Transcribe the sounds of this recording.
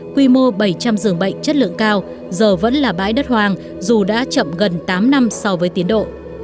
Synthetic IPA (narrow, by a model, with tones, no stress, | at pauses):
kwi˧mo˧ɓə˧˩jt͡ɕa˧mzɨ˧˩əŋɓə̰˧˨jŋ̟t͡ɕə˦˥t̚lɨ̰˧˨əŋkaː˧w | zəː˨˩və̰˧˥nlaː˨˩ɓa̰ː˧˥jɗə˦˥t̚hwaː˨˩ŋ | zu˨˩ɗa̰ː˧˥t͡ɕə̰˧˨mɣə˨˩nt̪aː˨˦mna˧msɔ˧wvəː˨˦jt̪i˨˦ənɗo̰˧˨